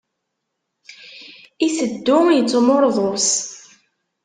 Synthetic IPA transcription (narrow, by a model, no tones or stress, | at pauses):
isəd̪ːʊjət͡sːmoɾˤðˤos